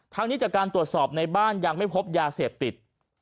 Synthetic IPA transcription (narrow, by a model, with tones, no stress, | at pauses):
t̪ʰa˦˥ŋniː˦˥t͡ɕaː˨˩kaː˧nt̪ɾu˨˩ət̪̚sɔː˨˩p̚na˧jbaː˥˩njaː˨˩ŋma˥˩jpʰo˦˥p̚jaː˧seː˨˩p̚t̪i˨˩t̪̚